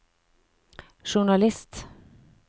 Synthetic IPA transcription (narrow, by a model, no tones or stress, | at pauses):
ʃʊɳɑlɪst̪